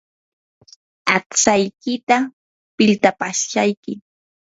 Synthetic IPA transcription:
aksajkɪt̪a | pɪlt̪apaʃʃajkɪ

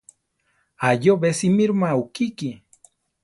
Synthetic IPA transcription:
ajoβesimiɾumaukiki

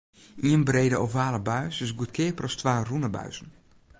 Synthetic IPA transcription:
iənbreːdəowvaːləbœɥsɪsɡuət̚kʰɪːprɔstʋaːrunəbœ̰ɥzn̩

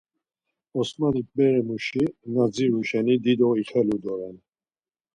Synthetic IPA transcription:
ɔsmanik̚bɛɾɛmuʃinad͡ziɾuʃɛnid̪id̪ɔiχɛlud̪ɔɾɛn

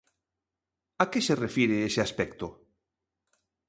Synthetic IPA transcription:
akeserefiɾeesɪaspɛkt̪o

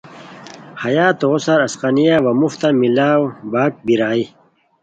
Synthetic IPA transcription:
hɐjaːt̪oosɐɾɐsqanijawɐmuft̪amilaːwbaːk̚biɾaːi

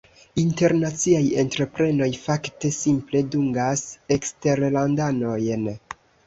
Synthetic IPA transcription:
inte̞ɾnat͡siaje̞ntɾe̞pɾe̞no̞jfakte̞simple̞duŋɡase̞kste̞ɾlandano̞jn

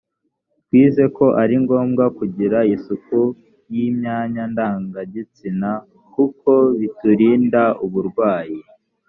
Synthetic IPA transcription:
twiːze̞ko̞ʔaɾiŋɡo̞ːmɡakuɟiɾaisuku | jimɲaːɲandaːŋɡaɟit͡sina | kuko̞βituɾiːndauβuɾɡwaːji

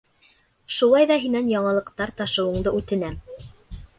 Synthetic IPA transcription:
ʃulˠɑjðɑɦinænjɑɴɑ̆lˠɤ̆qt̪ɑɾt̪ɑʃɤ̆wɤ̆ɴd̪ɤʉt̪ɘ̆næm

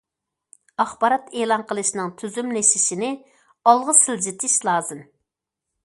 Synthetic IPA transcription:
ɑχbɑɾɑt̪eːlˠɑnqʰəlˠɨʃnɨŋt̪ʰyzymlɪʃiʃinɪ | ɑlˠʁəsɪld͡ʒit̪ʰɪʃlˠɑːzɨm

